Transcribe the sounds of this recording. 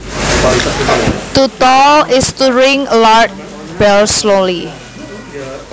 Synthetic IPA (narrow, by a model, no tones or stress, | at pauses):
t̪ut̪ɔɪst̪uɹɪŋlaɹt̪̚ | b̥ɛlsloli